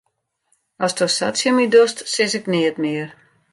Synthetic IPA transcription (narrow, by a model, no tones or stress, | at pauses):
ɔstosa̰tsjəmidostsɪsɪknɪətmɪər